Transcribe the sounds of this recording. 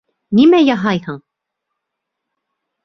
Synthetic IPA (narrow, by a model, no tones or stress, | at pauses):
nimæjɑɦɑjhɤɴ